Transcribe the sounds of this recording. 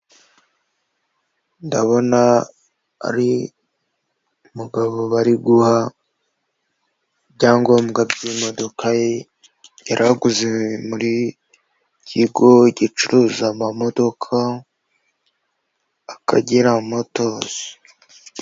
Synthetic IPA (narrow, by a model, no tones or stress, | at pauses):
ndaβo̞na̰ː | ɾi | umuɡaβoβaɾiɡuha | bɟaːŋɡomuɡaβiwimo̞do̞kʰaje | jaɾʔaɡuzeemuɾi | cʰiɡo̞iɟit͡ʃuɾuzamamo̞do̞kʰa | aka̰ɟiɾamo̞toze